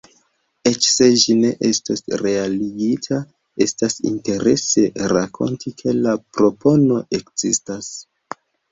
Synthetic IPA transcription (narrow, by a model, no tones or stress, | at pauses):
e̞t͡ʃse̞d͡ʒine̞ʔe̞stasɾe̞aliɡitʰa | e̞stasḭnte̞ɾe̞̰se̞ɾakʰo̞̰ntʰikʰe̞lapɾo̞po̞no̞ʔe̞kz̥istas